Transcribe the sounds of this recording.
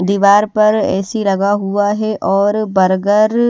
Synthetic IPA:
d̪iːʋaːɾpɐɾɛ̰ːsilɐɡaɦuaɦɛʔɔːɾbɐɾɡəɾ

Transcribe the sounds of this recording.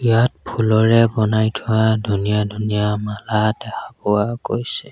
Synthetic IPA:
ijat̚pʰulɔɹɛbɔnajtʰʊadʱunijadʱunijamaladɛkapɔwakojsɛ

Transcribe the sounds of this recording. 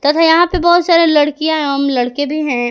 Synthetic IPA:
t̪ɐt̪ʰajɐɦãpebɔːt̪saːɾelɐɽkijãɦɛ̃ɦɐmlɐɽkebʱiɦɛ̃

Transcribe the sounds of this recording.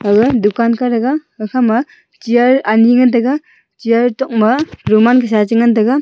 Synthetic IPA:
aɡɯdukankaɾaɡaːkʰama | t͡ʃijaɾaniŋantaɡa | t͡ʃijaɾtɔk̚maɾumankʰɯsat͡ʃɯŋantaɡa

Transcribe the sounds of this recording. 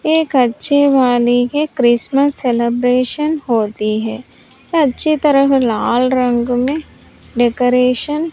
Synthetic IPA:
eːkɐtːʃʰeʋaːlikekɾɪsməsːelebɾeːʃənɦoːt̪iɦɛː | ɐtːʃʰit̪əɾəflaːlɾə̃ŋɡmẽ | ɖekoːɾeːʃən

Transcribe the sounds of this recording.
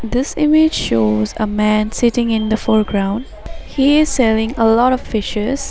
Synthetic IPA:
d̪ɪsɪmɪd͡ʒʃoːzə̰mæ̃nsɪtɪ̃ŋɪ̃nd̪əfɔɹɡɹãʊ̃nɖ | hiɪz̥sɛlɪ̃ŋəlɔɾɔffɪʃəs

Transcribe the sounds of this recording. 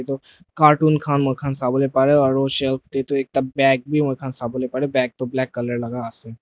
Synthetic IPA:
et̪okaːɾʈuːnkʰaːnmoɾkʰaːnsaːbəlepaɾeɔːɾoʃelkʰt̪et̪oeːk̚t̪abɛːk̚bʱimoɾkʰaːnsaːbolepaːɾebɛːk̚t̪oblɛːkːələɾlɐɡaəsẽ

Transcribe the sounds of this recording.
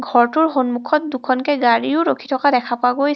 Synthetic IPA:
ɡʱɔɹtʊɹxonmukʰɔt̚dukʰɔnkɛɡaɹiʊɹokʰi̥tʰɔkadɛkʰapʊaɡoj

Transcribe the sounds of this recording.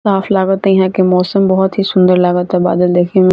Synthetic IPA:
aːflaːɡət̪ejɦãkemɔːsəmbɔɦɔt̪ɦisʊ̃nd̪əɾlaːɡət̪aba̰ːd̪əld̪eːkʰẽ

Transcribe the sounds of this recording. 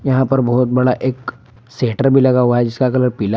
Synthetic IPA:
jɐɦãpɐɾbɔːɔt̪̚bɐɽaʔeːk | seːʈəɾbʱilɐɡaɦuaɦɛd͡ʒɪskakɐləɾpiːla

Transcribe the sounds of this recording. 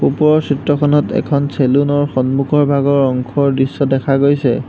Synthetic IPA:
upɹɔsitɹɔkʰɔnɔtɛ̰kʰɔnselunɔɹxɔnmukʰɔɹbʱaɡɔɹɔŋkʰɔɹdɹisːɔdɛkʰaɡojsɛ

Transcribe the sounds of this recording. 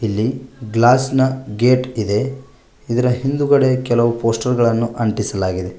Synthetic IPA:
ilːiɡlaːsnɐɡe̞ːʈid̪e̞ | id̪ɐɾɐɦind̪uɡɐɽe̞kɛlɐʋupo̞ːsʈɐɾɡɐɭɐnːuʔɐɳʈisɐlaːɡid̪e̞

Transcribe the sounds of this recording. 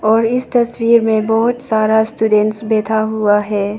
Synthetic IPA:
ɔːɾɪst̪ɐswiːɾmẽbɔɦʊt̪saːɾasʈuːɖɛ̃ɳʈsbɛːt̪ʰaɦuaɦɛː

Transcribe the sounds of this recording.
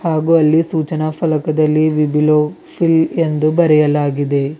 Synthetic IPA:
haːɡuɐlːisuːt͡ʃɐnɐpʰɐlɐkɐd̪ɐlːiʋibiloː | pʰilend̪ubɐɾɛjɐlaːɡid̪e̞

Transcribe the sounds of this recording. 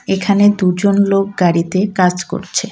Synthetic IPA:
ekʰaned̪ud͡ʑonlok̚ɡaɾit̪ekad͡ʑko̰ɾt͡ɕʰe

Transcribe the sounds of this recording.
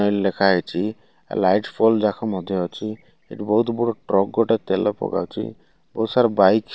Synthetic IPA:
ɔjlekʰaɦejt͡ʃʰi | a̰lajʈpʰɔld͡ʒakʰamɔd̪ʱjɔɦɔt͡ʃʰi | ḛʈbɔɦut̪bɔɽɔʈɾɔɡ̚ːɔʈet̪elɔpɔ̰ɡa̰wt͡ʃʰḭ | bɔut̪saɾbajk

